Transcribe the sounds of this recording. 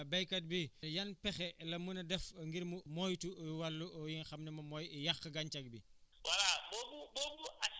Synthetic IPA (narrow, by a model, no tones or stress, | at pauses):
bɐjkɐt̚bijɐnpɛxɛlɐmunɐdɛfŋɡiɾmumɔjtuwɐlːuʔɔjiŋxɐmnɛmɐmɔːjijɐxːəɡɐɲt͡ʃɐk̚biwɐlabɔbubɔːbua